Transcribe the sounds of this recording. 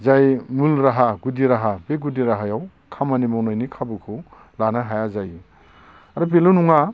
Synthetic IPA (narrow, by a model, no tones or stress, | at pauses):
zajmulɾaɦaɡudiɾaɦabeɡudiɾaɦajaw | kʰamanimawnajnikʰabukʰu | lanaɦajazaj | aɾap̬elunuŋa